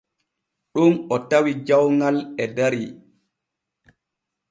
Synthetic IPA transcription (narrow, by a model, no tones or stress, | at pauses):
ɗunɔtawid͡ʒawŋalɛdaɾi